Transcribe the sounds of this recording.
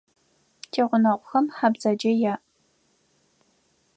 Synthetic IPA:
tʰeːʁʷʊnɐʁʷʊxɐmħabzɐd͡ʒɐjaːʔ

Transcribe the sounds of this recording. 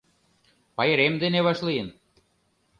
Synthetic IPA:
pɑjəɾemd̪eneβɑʃlijən

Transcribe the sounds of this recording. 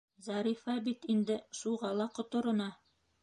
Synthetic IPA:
zɑɾifɑbit̪ind̪ɘʃuʁɑlˠɑqŏt̪ŏɾŏnɑ

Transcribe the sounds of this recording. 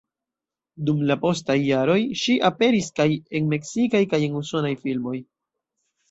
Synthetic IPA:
dumlapo̞stajːaɾo̞jʃiʔape̞ɾiskaje̞nme̞ksikajkaje̞nuso̞najfilmo̞j

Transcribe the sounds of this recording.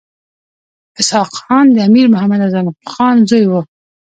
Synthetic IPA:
ɪshɑqxɑnd̪əamiɾmʊhamad̪azanqxɑnzojwə

